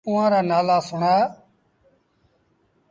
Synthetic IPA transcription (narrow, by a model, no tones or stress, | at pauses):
ʊːãːɾaːnaːlaːsʊɳaː